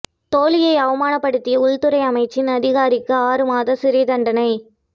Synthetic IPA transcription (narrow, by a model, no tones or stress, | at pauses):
t̪oːlɪjɐɪɐʋɐmaːnɐpːɐɽɯt̪ːɪjɐʊɭt̪ɯɾɐɪɐmɐɪt͡ʃːɪnɐðɪɣaːɾɪkːɯaːɾɯmaːðɐsɪɾɪðɐɳɖɐnɐɪ